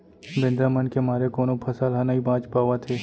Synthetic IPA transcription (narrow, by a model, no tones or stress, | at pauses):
bẽnd̪ɾamənkemaːɾekoːnopʰɐsaːlɦɐnaibãːt͡ʃpaːʋat̪ʰeː